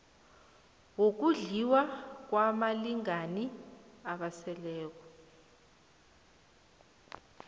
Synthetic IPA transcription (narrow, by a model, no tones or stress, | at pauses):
ŋok̬uɮiwak̬wamaliŋaniaɓasɛlɛːk̬ɔ̥